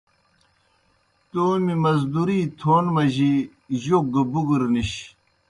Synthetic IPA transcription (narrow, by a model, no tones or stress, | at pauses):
t̪oːmimɐzd̪uɾiːt̪ʰoːnmɐʑi | ʑok̚ɡɐbuɡuɾniɕ